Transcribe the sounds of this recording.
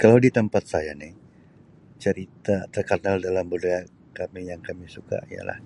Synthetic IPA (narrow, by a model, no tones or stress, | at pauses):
kalawdit̪əmpat̪̚sajanɪh | t͡ʃəɾit̪at̪ərkənaldalambudaa | kamijaŋkamisuka̰ija̰la̰h